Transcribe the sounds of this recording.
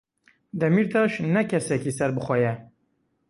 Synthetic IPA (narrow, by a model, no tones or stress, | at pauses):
d̪ɛmiɾt̪ʰɑːʃnɛkʰɛsɛkisɛɾbɨxʷɛjɛ